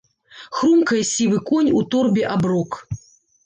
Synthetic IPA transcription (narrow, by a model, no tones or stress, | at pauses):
xɾumkɐjɐsʲivɨkɔnʲut̪ɔrbʲɛʔabrɔk